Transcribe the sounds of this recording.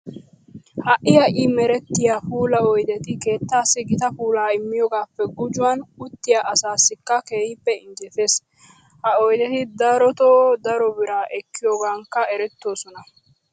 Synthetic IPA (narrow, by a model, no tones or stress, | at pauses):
hɐʔɪjɐʔɪmɛɾɛt̪ːɪjaːpuːlɐɔjd̪ɛt̪ɪke̞ːt̪ːaːsːɪɡɪt̪ɐpuːlaːɪmːɪjoːɡaːpːɛɡʊd͡ʒʊwɐnʊt̪ːɪjaʔɐsaːsːɪkːɐke̞ːhɪpːɛɪɲd͡ʒɛt̪eːs | hɐɔjd̪ɛt̪ɪd̪ɐɾɔt̪oːd̪ɐɾɔbɪɾaːʔɛkːɪjoːɡaːŋkːɐɛɾɛt̪ːo̞ːsɔnɐ